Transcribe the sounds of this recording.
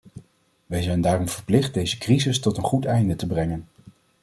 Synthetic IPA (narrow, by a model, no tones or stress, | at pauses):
ʋɛjzɛjndaːrɔmv̥əɹplɪχt̚dejzəkrizɪstɔtənχutɛjndətəbrɛŋən